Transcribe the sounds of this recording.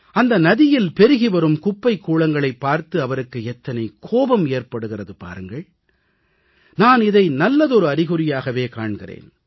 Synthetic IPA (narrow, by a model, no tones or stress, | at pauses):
ɐnd̪ɐnɐðɪjɪlpɛɾɯɣiʋɐɾɯmkʊpːɐɪkːuːɭɐŋɡɐɭɐɪpːaːɾt̪ɯɐʋɐɾɯkːɯɛt̪ːɐnɐɪkʰoːʋɐmeːrpɐɽɯɣɪrɐðɯpa̰ːɾɯŋɡɐɭ | naːnɪðɐɪnɐlːɐðɔɾɯɐɾɪɣɯɾɪjaːɣɐʋeːkaːɳɣɪrḛːn